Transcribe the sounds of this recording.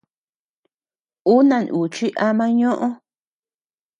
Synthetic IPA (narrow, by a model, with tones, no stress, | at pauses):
u˦nã˧˨nʔu˨t͡ʃi˦ʔa˧mã˦ɲõ˦ʔõ˦